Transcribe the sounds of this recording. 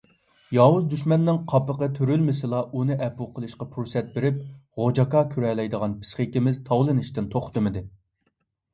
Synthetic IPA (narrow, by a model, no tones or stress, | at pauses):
jɑwuzd̪yʃmɛnːɪŋqʰɑpəqət̪ʰøɾylmɪsɨlˠɑʔunɨʔɛpuqʰəlˠɨʃqɑpʰuɾsɛt̪̚beɾɪp̚ʁod͡ʒɑkɑkʲʰyɾɛlɛjd̪əʁɑnpʰɪ̥sχekʲimɪzt̪ʰɑwlˠɨnɨʃt̪ɪnt̪ʰoχt̪ɨmɨd̪ɨ